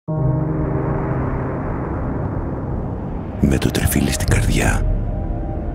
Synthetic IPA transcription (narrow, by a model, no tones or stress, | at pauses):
met̪ot̪ɾifilist̪iɡɐɾðʝɐ̰